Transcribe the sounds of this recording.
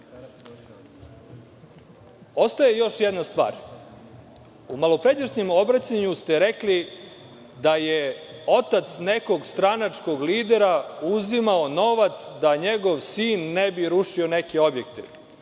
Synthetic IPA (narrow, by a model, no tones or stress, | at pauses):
o̞st̪aje̞jo̞ʃjed̪nast̪ʋa̰ːɾ | umalˠopɾed̪eʃɲemo̞bɾat͡ɕaɲust̪eɾekli | d̪ajeo̞t̪at̪sneko̞ɡst̪ɾanat͡ʂko̞ɡliːd̪eɾauzimaono̞ʋat̪sd̪aɲeɡo̞ʋsiːnːebiɾuʃionekeo̞bjek̚t̪e